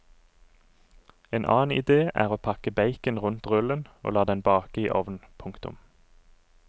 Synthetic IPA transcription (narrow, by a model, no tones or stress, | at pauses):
eːnʔɑ̰ːnɪ̰d̪eːʔæ̰ːʁoːpʰɑkəbæɪkənʁʉnt̪ʁʉləno̰ːlɑːd̪ɛnbɑːkəiːʔɔʋn̩pʰʊŋkt̪ʊ̰m